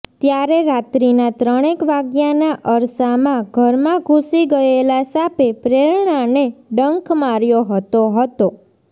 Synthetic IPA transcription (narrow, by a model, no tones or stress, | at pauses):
t̪jaɾeɾat̪ɾinat̪ɾəɽ̃ekʋaɡjanaʔəɾsamãɡʱəɾmãɡʱũsiɡəelasapepɾeɾɳ̃aneɖəŋkmaɾjoɦət̪oɦət̪o